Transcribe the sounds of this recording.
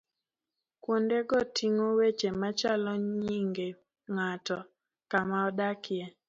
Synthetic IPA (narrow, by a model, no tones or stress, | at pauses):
kwondeɡɔtʰiŋowet͡ʃemat͡ʃalɔɲiŋɡe | ŋatɔ | kamaɔdakjɛ